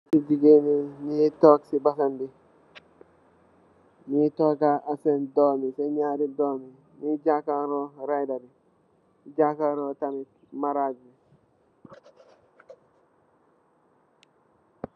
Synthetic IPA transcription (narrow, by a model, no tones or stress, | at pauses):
sidiɡeninitoksibasanbi | nitokaʔasendoːmiseɲaːɾidoːmi | niɟakaɾoɾajdaɾi | d͡ʒakaɾotamik | maɾad͡ʒbi